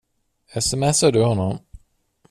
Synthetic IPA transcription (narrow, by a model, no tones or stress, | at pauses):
ɛsɛmɛsaɖɵhɔnːɔm